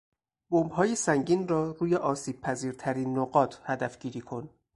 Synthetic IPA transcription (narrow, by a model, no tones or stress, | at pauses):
bombɦɒːjesæŋɡiːnrɒːɾuːjeʔɒːsiːb̥̚pʰæziːɾt̪ʰæɾiːnːoɡɒːt̪ʰhæd̪æfɟ̥iːɾiːkʰo̞n